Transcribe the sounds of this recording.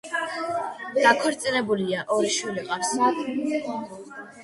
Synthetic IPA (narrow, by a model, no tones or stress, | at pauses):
d̪̥akʰwɛɾt̪sʼinɛbuliaʔɔɾiʃwiliqʼaɾsatʼ